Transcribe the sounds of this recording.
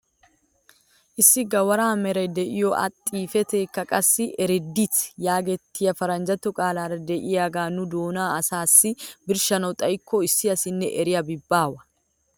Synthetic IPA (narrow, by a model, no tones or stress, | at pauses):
ʔɪsːɪɡɐwɐɾaːmɛɾɐjd̪ɛʔɪjɔʔɐ̰t̪ʼːiːfɛt̪e̞ːkːɐkʼɐsːɪʔɛɾɛd̪ːit͡sjaːɡɛt̪ːɪjɐfɐɾɐnd͡ʒɐt̪ːʊkʼaːlaːɾɐd̪ɛʔɪjaːɡaːnʊd̪o̞ːnaːɐsaːsːɪbɪɾʃɐnɐwt̪ʼɐjkːɔɪsːɪɐsɪnːɛʔɛɾɪjɐbɪbːaːwɐ